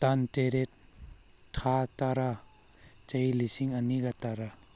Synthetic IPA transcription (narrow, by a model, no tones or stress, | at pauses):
tanteɾet̚ | tʰataɾa | t͡ʃajlisiŋaniɡataɾa